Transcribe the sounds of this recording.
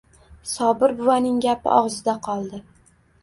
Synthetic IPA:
sɒbɪɾbʊvanɪŋɡʲapʰɪ̰ʔɒʁzɪd̪aqʰɒlˠd̪ɪ

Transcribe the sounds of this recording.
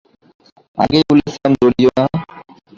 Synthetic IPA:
a̰ɡejbulesand͡ʑoɽijona

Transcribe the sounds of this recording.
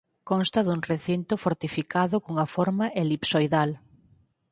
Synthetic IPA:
kɔnst̪ɐðuŋreθint̪ʊfoɾt̪ifikaðʊkoŋɐfɔɾmaʔelipsojðal

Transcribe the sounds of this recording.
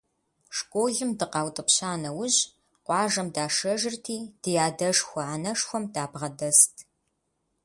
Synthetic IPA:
ʂkʷʼoːɮɨmdɨqɑːwtʼɨpɕaːnɐwʊʑ | qʷɑːʒɐmdaːʂɐʒɪrtʰiːd̥ɨjaːdɐʂxʷɔanɐʂxʷɔmdaːbʁɐdɐstʰ

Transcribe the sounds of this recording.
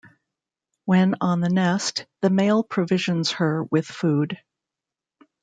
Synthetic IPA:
wɨ̃nə̃nðɨnɛsðɨmeɪlˠpʰɹ̥ɨvɪʒɨ̃nz̥hə˞wɪð̥fud̥

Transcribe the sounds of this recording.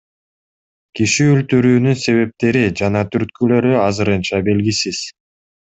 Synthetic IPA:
kiʃiylt̪yɾyːnynse̞βe̞p̚t̪e̞ɾid͡ʒɑnɑt̪ʰyɾt̪̚kylø̞ɾyɑzɯɾɯnt͡ʃɑbe̞lɡisiz̥

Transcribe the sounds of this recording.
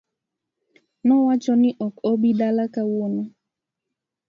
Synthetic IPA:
nɔwat͡ʃɔniʔɔkɔbiɗalakawonɔ

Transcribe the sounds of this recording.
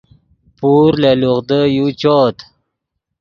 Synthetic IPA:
puɾleloʁd̪əjut͡ɕɔːt̪

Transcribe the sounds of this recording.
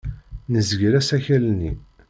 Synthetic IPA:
nəzəɡɾæsæçælnːḭ

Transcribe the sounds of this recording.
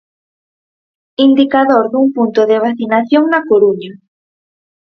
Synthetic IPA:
ind̪ikaðoɾðuŋpunt̪oðeβ̞aθinaθjoŋnakoɾuɲa

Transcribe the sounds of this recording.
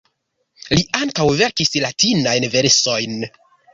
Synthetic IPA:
liaŋkawve̞ɾkislatinajnve̞ɾso̞jn

